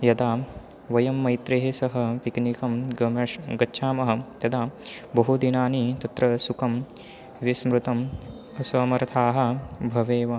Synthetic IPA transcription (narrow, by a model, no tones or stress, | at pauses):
jɐd̪aː | ʋɐjɐmːɐjt̪ɾeɦesɐɦɐ̆piknikɐmɡɡɐtːʃʰaːmɐɦɐ̆t̪ɐd̪aːbɐɦud̪inaːnit̪ɐt̪ɾɐsukɐm | ʋismɾut̪ɐm | ɐsɐːmɐɾt̪ʰaːɦɐ̆bʱɐʋeːʋɐ